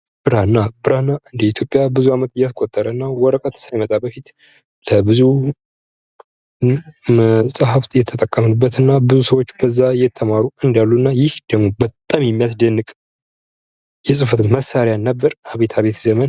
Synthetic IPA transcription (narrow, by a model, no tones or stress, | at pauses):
b̥ɨɾanːabɨɾanːaɨnd̪iit̪ʰjo̞pʼjabɨzuamət̪ɨjaskʼot̪ʼːəɾəɨnːawɔɾəkʼət̪sajmət̪ʼabəfit̪ | ləbɨzu | məsʼaɦaft̪jɛt̪ʰət̪ʼəkʼːəmənɨbːət̪ɨnːabɨzusəwot͡ʃːbəzːajɛt̪ʰːəmaɾuɨnd̪alːuɨnːajɪhd̪̥əɡmo̞bət̪ʼːamjɛmːijasd̪ənːɨkʼ | jɛsʼɨfət̪məsːaɾjanːəbːəɾaβe̞t̪ʰaβe̞t̪zəmən